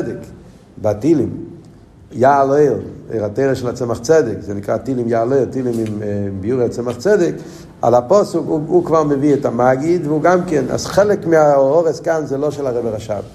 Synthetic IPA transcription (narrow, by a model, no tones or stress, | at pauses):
ɛdɪk | batilim | jaleɪlˠḛɪʁateɪʁəʃɛlat͡sɛmaχt͡sɛdɪkzenɪkʁatilimjaːlˠeɪlˠtilimɪmmbijuʁəat͡sɛmaχt͡sɛdɪk | a̰lapɔsukuukvalməviɛtamaɡɪdvɪuːɡamkɛna̰sχɛlɪkmɪaɔʁəskanzelˠoʃɛlaʁɛbəʁaʃa̰b